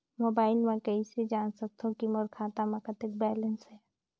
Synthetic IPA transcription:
moːbaːɪlmẽkəised͡ʒaːnsək̚t̪ʰõkiməɾkʰaːt̪amãkət̪ek̚bɛːlənsɦɛː

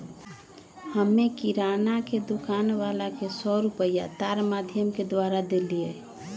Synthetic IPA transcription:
həmːekiɾanaked̪ukanʋalakesɔɾupəjat̪aɾmad̪ʱjəmked̪ʋaɾad̪elie

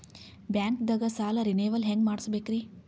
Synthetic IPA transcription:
bjaŋkd̪əɡəsaːlɐɾineːʋəlɦẽŋɡmaɽsubekɾi

